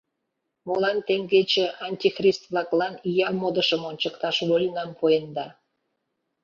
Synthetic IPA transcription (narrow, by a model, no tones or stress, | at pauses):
molɑnt̪eŋɡet͡ɕeʔɑnʲtʲixrʲist̪vlɑklɑnijɑmod̪əʃəmonʲt͡ɕəkt̪ɑʃβolʲnɑmpʰojənd̪ɑ